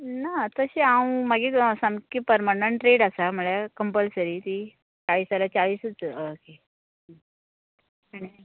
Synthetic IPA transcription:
nat̪əɕiawmaɡesamkipəɾmanəɳʈɾeɽasaməɭjakəmpəlsəɾiːt̪i | t͡saɭiːsalat͡saɭiːsət͡ske | aɽ̃i

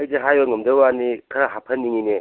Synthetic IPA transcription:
jzeɦajɔŋɐmdɯwanikʰɐɾaɦapʰɐnːiŋine

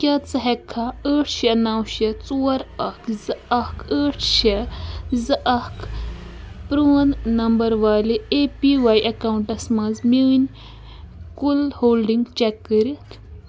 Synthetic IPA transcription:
kʲaːt͡sɐɦɛkʰːaəːʈʰʃɐnɐwʃɐt͡suːɐɾɐkʰzɨɐkʰəːʈʰʃɐzɨʔɐk | pɾunnɐmbɐɾʋaːlieːpiʋaːjʔɐkawuɳʈɐsmɐ̃nzminʲ | kulhoːlɖiŋɡt͡ʃɛkːəɾit̪ʰ

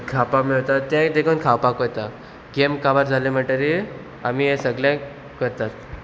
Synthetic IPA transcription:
kʰapamiɭt̪at̪t̪ːjãd̪ekʰəːnkʰawpakojt̪a | ɡemkaʋaɾd͡zʱalem̤əʈəɾi | a̰miɦẽsəɡljã | kəɾt̪at̪̚

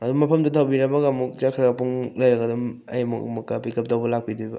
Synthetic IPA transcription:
ɐdumɐpʰɐmdɐtʰɐwbiɾɐbɐɡamuk̚t͡ʃakʰɯɾakpuŋlɐjɾɐɡɐdumɐ̰jmṵkmukːapikɐp̚dɐwbɐlak̚pidibɐ̰

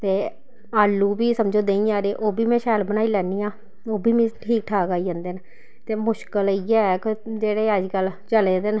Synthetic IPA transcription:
t̪eː | aːlːuːbiːsəmd͡ʒoːd̪eːĩːãːɾeːʔoːbiːmɛ̃ːʃɛːlbənaːiːlɛːniːãː | oːbiːmĩːʈʰiːk̚ʈʰaːkaːiːd͡ʒə̃ːnd̪eːn | t̪eːmʊʃkəliːɛːkɪd͡ʒeːɽeːəd͡ʒkəlt͡ʃəleːd̪en

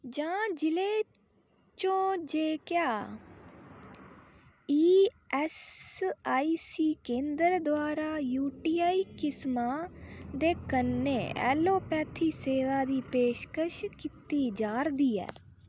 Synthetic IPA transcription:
d͡ʒãːd͡ʒɪleː | t͡ʃõːd͡ʒeːkɪjaː | iː | ɛs | aːiːsiːkẽːnd̪əɾd̪ʊaːɾaːjuːʈiːaːiːkɪsmaːd̪eːkənːeːɛ̰ːloːpɛːt̪ʰːiːseːʋaːd̪iːpeːʃkəʃkit̪iːd͡ʒaːɾd̪iːɛ̰ː

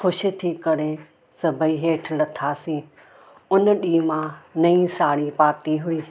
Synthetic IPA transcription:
xʊʃɪ̆t̪ʰikɐɽe | sɐbʱəiɦeːʈʰlɐt̪ʰaːsĩː | ʊnɗiːmãnɐĩsaːɽipaːt̪iɦʊiː

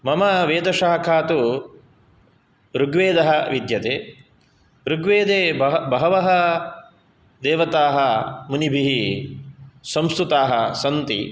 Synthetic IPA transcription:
mɐmɐʋeːd̪ɐʃaːɦɐkʰaːt̪u | ɾuɡʋeːd̪ɐɦɐ̆ʋid̪jɐt̪eː | ɾuɡʋeːd̪eːbɐɦɐʋɐɦɐ | d̪eːʋɐt̪aːɦɐmunibʱiɦi | sɐmsk̪ɾut̪aːɦɐsɐnt̪ḭ

